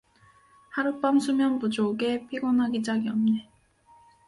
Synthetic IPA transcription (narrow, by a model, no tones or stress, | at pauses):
haɾɯp͈amsʰumjʌnpud͡ʑoɡe̞pʰiɡʌnɦaɡid͡ʑaɡiʌmne